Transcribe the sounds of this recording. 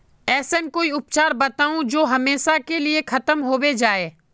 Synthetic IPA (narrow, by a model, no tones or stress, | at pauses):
ɛːsənkoːiʊpt͡ʃaːɾbɐt̪aːũd͡ʒoːɦɐmeːʃakeliexʰɐt̪əmɦoːwed͡ʒaːeː